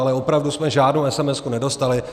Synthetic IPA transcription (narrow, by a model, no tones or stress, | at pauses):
alɛopɾavdusmɛʒaːdnowɛsɛmɛskunɛdo̞st̪alɪ